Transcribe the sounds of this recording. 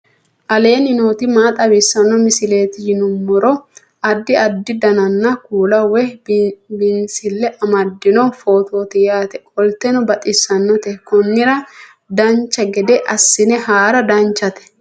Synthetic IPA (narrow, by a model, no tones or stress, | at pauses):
ʔɐle̞ːnɪnoːt̪ɪmaːt̪ʼɐbɪsːɐnːɔmɪsɪle̞ːt̪ɪjɪnʊmːʊɾɔ | ɐd̪ːɪɐd̪ːɪd̪ɐnɐnːɐkuːlɐwɛ | bɪnsɪlːɛʔɐmɐd̪ːɪnɔfo̞ːt̪o̞ːt̪ɛjaːt̪ɛkʼɔlt̪ɛnɔbɐt̪ʼɪsːɐnːɔt̪ɛkɔnːɪɾɐ | d̪ɐnt͡ʃːɐɡɛd̪ɛʔɐsːɪnɛhaːɾɐd̪ɐnt͡ʃːɐt̪ɛ̥